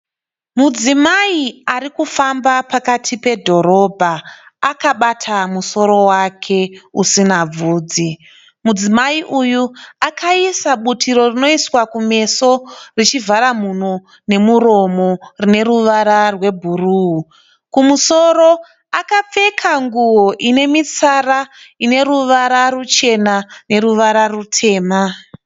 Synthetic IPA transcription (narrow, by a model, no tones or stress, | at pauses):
mud͡zimaiaɾikufambapakatʰipe̞dʱo̞ɾo̞bʱaːkaɓatʰamuso̞ɾo̞wakʰe̞usinab͡vuːd͡zi | mud͡zimaiʔujuakaisaɓutʰiɾo̞rino̞iswakume̞so̞rit͡ʃivaɾamun̤o | ne̞muɾo̞mo̞rine̞ɾuʋaɾarwe̞bʱuruu | kumuso̞ɾo̞ | akap͡fe̞kʰaŋɡuoʔine̞mit͡saraine̞ɾuʋaɾaɾut͡ʃe̞nane̞ɾuʋaɾarutʰe̞ːma